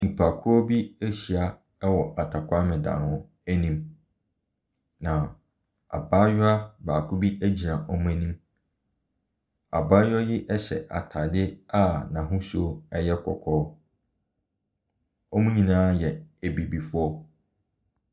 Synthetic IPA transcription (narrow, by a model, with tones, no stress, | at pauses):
nĩ˨pʰa˨kʰʊ˦ɔ˦bi˦æ˦ɕi˨a˦ | ɛ˦wɔ˨ʔa˨tʰa˨kʷʰa˦mɪ̃˨dã̰ː˨nhʊ̃˦ | æ˦nĩ˦m | nã˨ | a̰˨baː˦ɥʊ˦a˦baː˨kʰʊ˦bi˦æ˦d͡ʑi˨ã˨ʔɔ˦mũ˦æ˦nĩ˦m | a˨baː˦ja˦jɪ˦ʔɛ˦ɕɛ̰˨ʔa̰˨tʰa˨dɪ˦a˦˨nã˨ɦʊ̃˦su˦o˦ɛ˦jɛ˦kʰɔ̰˨kʰɔː˦ | ɔ˦mũ˦ɲĩ˨nã˦jɛ˨æ˨bi˨bi˨fʊ˦ɔ˦